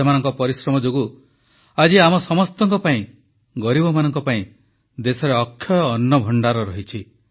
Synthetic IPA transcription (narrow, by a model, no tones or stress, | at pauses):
emanɔŋkɔpɔɾisɾɔmɔd͡ʒoɡu | ad͡ʒiamɔsɔmɔst̪ɔŋkɔpaĩ | ɡɔɾibɔmanɔŋkɔpaĩ | d̪esɔɾeɔkʰːjɔjɔːnːɔbʱɔɳɖaɾɔɾɔɦit͡ʃʰi